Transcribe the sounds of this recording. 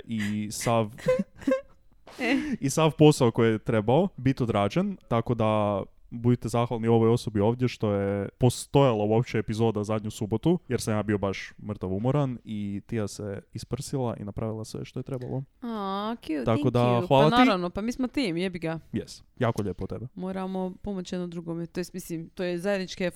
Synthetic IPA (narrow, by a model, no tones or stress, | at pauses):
ʔisaʋ | isaʋpo̞saoko̞jjet̪ɾe̞baobit̪iod̪ɾaːd͡ʒent̪ako̞d̪a | bud̪it̪ezaxʋalˠnio̞ʋojo̞so̞bio̞ːʋd̪je̞ʃt̪o̞jepo̞st̪o̞jalˠauopt͡ʃeepizo̞ːd̪azad̪ɲusubo̞t̪ujeɾsamjaːbio̞baʃmr̩t̪aʋumoɾanit̪ijaseispr̩silˠaʔḭnapɾaʋilˠasʋḛʃt̪oet̪ɾeba̰lˠoakjut̪akod̪axʋaːllatnaiɾaʋnopamiːsmot̪imjebiɡajest̪jaːkoʎepot̪e̞bemoːɾamopomot͡ɕjed̪nod̪ɾuɡomet̪ojest̪mislimt̪ojezajed̪nit͡ʃke